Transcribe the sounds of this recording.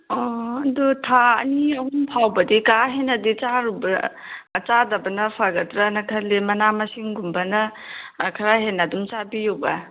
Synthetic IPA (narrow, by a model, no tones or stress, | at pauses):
ɔɐdɔtʰaɐ̰niɐhumpʰawbɐdikaɦenɐdit͡ʃaɾubɐː | t͡ʃadɐbɐnɐpʰaɡɐtɾanɐkʰɐlemɐnamɐsiŋɡumbɐnɐkʰɐɾaɦenːadumt͡ʃabijuwbɐ